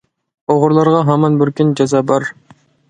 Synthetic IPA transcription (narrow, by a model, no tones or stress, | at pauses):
oʁʊɾlˠɑɾʁɑɦæmɑnbɪɾkʲynd͡ʒɑzɑbɑɾ